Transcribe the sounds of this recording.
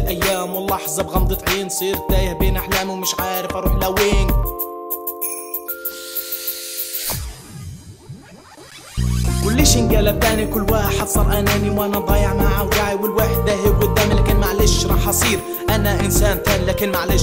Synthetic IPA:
lʔæjːaːmwəlːɑħzˤɑbɣɑmd̪ˤɨt̪ˤʕiːnsˤiːɾt̪ːæːjɪhbeːnʔaħlæːmiwmɪʃʕaːɾɪfɑɾˤuːħlæweːn | wʊlːiʃɪnɡaːlæt̪aːnikʊlːwaːħɪd̪sˤɑːɾˤʔananiwʔænæd̪ˤɑːjəʕmaʕawd̪aʕiwɪlwaːħɪd̪ːaɦiɡʊd̪ːaːmlæːkɪnmaʕleʃʃɾˤɑːħɑsˤiːɾ | ʔanaʔɪnsaːnt̪aːnilakɪnmaʕle

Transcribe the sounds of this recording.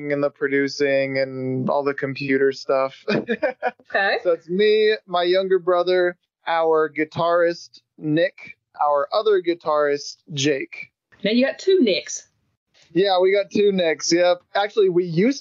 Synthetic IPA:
ŋɨ̃nðəpʰɹ̥ɨdʉsɪ̃ŋɨ̃nɔ̰lˠðəkʰɨ̃mpʰj̥ʉɾə˞stʌf | esoʊætsmimaɪjʌ̃ŋɡə˞bɹʌðə˞ | ʔaʊə˞ɡɨtʰɑɹɪst | nɪk | ʔaʊə˞ʔʌðə˞ɡɨtʰɑɹɨst̚d̥ʒ̥eɪk | naʊjɨɡɑtʰʉnɪks | jæwiɡɑtʰʉnɪksjɛpæk̚t͡ʃʉl̩ˠiwijʉs

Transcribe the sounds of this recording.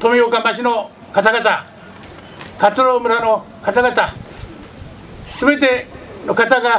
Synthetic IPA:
t̪omʲiokãmbaɕino | kat̪aɡat̪a | kat͡sɨɾomɯɾano | kat̪aɡat̪a | sɨbe̞t̪̬e̞nokat̪aɡa

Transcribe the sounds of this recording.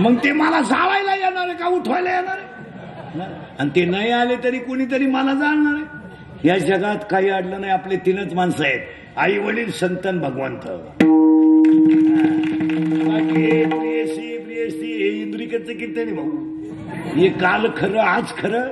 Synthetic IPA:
məɡt̪eməlad͡zaʋajlajanaɾekajuʈʰʋajlajanaɾe | a | anit̪enajalet̪əɾiːkoɽ̃iːt̪̬əɾiːmalad͡zaɳnaɾe | jad͡zəɡat̪kaɦiːaɽlənajaplet̪inət͡smansajet̪ | aiʋəliːlsənt̪ənbʱəɡʋa̰nt̪ə̰ | a | bakienieɕiebɾiəsieid̪ɾikət͡səkit̪enibʱəɡun | jekalkʰəɾəad͡zkʰəɾə

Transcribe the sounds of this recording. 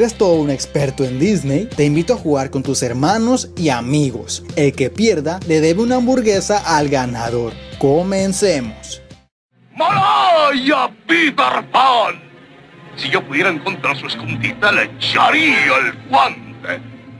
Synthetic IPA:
eɾest̪o̞ðoune̞kspe̞ɾt̪oe̞nd̪izne̞jt̪e̞imbit̪oaxuɣaɾko̞nt̪use̞ɾmano̞siamiɣo̞̰se̞lke̞pje̞ɾðale̞ðe̞βeunaːmbuɾɣe̞saʔalɣanaðo̞ɾko̞mense̞mo̞s | maɾajabit̪aɾpan | siʝopuðjeɾaeŋkont̪ɾaɾsueskund̪it̪alet͡ʃaɾialkwant̪ḛ

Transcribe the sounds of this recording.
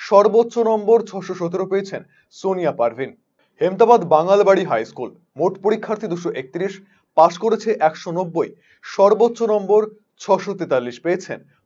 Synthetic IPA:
ʃɔɾbot̪ːɕonɔmboɾt͡ɕʰɔʃoʃot̪eɾopeet͡ɕʰen | soniapaɾvʱin | hemt̪abad̪baŋalbaɽiɦajskul | moʈpoɽikʰːaɾt̪ʰid̪uʃoʔek̚t̪iɾiʃ | paʃkoɾet͡ɕʰeʔɛkʃonobːoj | ʃɔɾbot̪ːɕonɔmboɾ | t͡ɕʰɔʃot̪et̪alːiʃpeːet͡ɕʰen

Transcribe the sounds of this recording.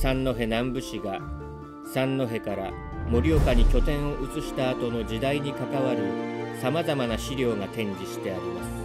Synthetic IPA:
sãnːo̞ɦe̞nãmbɯ̟ɕiɡa | sãnːo̞ɦe̞kaɾa | moɾʲio̞kaɲ̟ikʲo̞t̪ẽ̞ɰ̃o̞ʔɯ̟t͡sɨɕi̥t̪aːt̪o̞no̞d͡ʑid̪aiɲ̟ikakaβaɾɯ̟samazamanaɕiɾʲo̞ːnat̪ẽ̞ɲ̟d͡ʑiɕi̥t̪e̞aɾʲimasɨ̥

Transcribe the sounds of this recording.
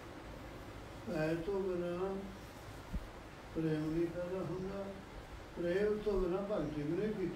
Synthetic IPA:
pɛːt̪õːɡənãː | pɾeːmnĩːpɛːd̪aːɦʊnd̪aː | pɾeːmt̪õːɡənãːpaŋkimənepit̪

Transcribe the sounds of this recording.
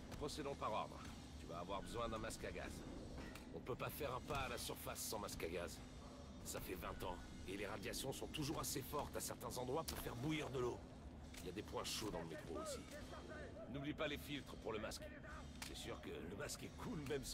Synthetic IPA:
pχɔsed̪ɔ̃paʁɔ̰ʁd̪ʁ | t̪yva̰ːvwaʁbəzwɛ̃d̪ɛ̃maskaɡa̰z | ɔ̃nəpøpafɛʁɛ̃paːlasyʁfasːɑ̃maskaɡaz | safɛvɛ̃t̪ɑ̃ | eleʁad̪jasjɔ̃sɔ̃t̪uʒuʁasefɔʁt̪asɛʁt̪ɛ̃zɑ̃d̪ʁwapuʁfɛʁbuiʁd̪əlo | iljad̪epwɛ̃ʃod̪ɑ̃ləmet̪χoosi | nublipalefilt̪χəpuʁləmask | ɥɛ̰syʁkə̰ləmaskɛkʰulmɛm

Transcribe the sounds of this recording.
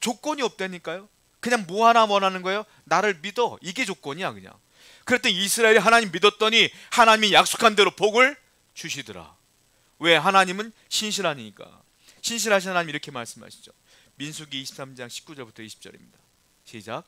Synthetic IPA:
t͡ɕok͈ʌɲiʌp̚t͈we̞ɲik͈ajo | kɯɲaŋmoɦaɾawʌnɦanɯnɡʌejo | naɾɯɭmidʌiɡe̞t͡ɕok͈ʌɲiakɯɲa̰ŋ | kɯɾet͈eisʰɯɾaeɾiɦanaɲimːidʌt̚t͈ʌɲi | hanaɲimijak̚s͈o̥kʰandeɾopoɡɯɭ | t͡ɕuɕʰidɯɾa̰ | we̞ɦanaɲimɯn | ɕʰinɕʰiɾɦaɲiɲik͈a̰ | ɕʰinɕ̬ʰiɾɦaɕ̬ʰinɦanaɲimiɾʌkʰe̞ma̰ɭs͈ɯmɦa̰ɕʰi̥d͡ʑo | minsʰuɡiːɕʰi̥p̚s͈amd͡ʑaŋɕʰi̥p̚k͈ud͡ʑʌɭbutʰʌiɕʰi̥p̚t͡ɕ͈ʌɾḭmɲida | ɕʰed͡ʑak̚

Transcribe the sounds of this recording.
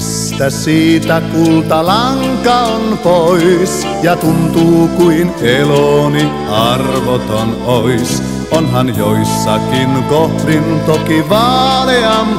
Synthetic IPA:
si̥t̪æsiːt̪ækult̪ɑlɑŋ | kɑonpois | jɑt̪unt̪uːkuineloni | ɑrʋot̪on | ois | ʔonɦɑnjoisːɑkinkohrint̪okiʋɑːleɑm

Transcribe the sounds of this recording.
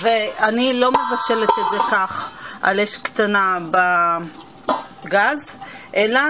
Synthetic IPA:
veanilo̞mevaʃelet̪edzekaχʔa̰leʃkt̪anaba | ɡazʔela

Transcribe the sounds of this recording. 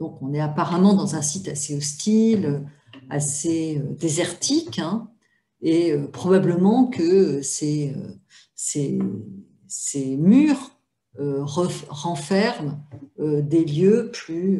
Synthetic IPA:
d̪̥ɔ̃kɔ̃nɛapaʁamɑ̃d̪ɑ̃zɛ̃sit̪aseɔst̪ʰilø | a̰seød̪ezɛʁt̪ʰikɛ̃ | eøpχɔbabləmɑ̃kəøseø̰ | se | semyʁ | øʁəʁɑ̃fɛʁmød̪eljøply

